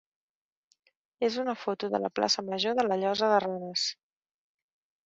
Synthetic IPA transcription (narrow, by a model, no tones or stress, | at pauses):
ezunəfot̪uðə̰lə̰pla̰səməʒoðələʎɔzəðəranəs